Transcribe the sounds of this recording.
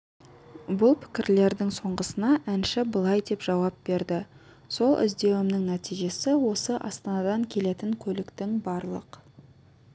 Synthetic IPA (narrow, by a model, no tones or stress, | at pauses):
bʊlˠpʰɪ̥kʲɪɾle̞ɾd̪ɪŋso̞ɴʁəsənɑʔænʃɪbəlˠɑjd̪e̞pʒ̥ɑwɑp̚be̞ɾd̪ɪ | so̞lˠʔɪ̰zd̪e̞wɪmnɪŋnæt̪ijʒe̞sɪwo̞səʔɑst̪ɑnɑd̪ɑŋkʲʰe̞le̞t̪ɪŋkʲʰɵlɪkt̪ɪŋbɑɾlˠə̰q